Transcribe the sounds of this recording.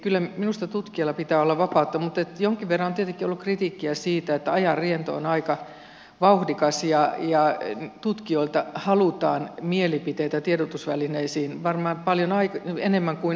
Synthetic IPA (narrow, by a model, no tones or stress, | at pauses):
kylːæminust̪ɑt̪ut̪kiɑlːɑpit̪æːolːɑʋɑpɑˑut̪ːɑmut̪et̪joŋkiʋʋerːɑnont̪iet̪eŋkːˑiolːukrit̪iˑkːiæsiːt̪æet̪ːæɑjɑrrient̪o̰onɑikɑ | ʋɑuhdikɑsjɑjɑt̪ut̪kioilt̪ɑhɑlut̪ɑːnmielipit̪eit̪æt̪ieɾot̪usʋælineisiːnʋɑrmɑːmpɑljonɑikenemːæŋkui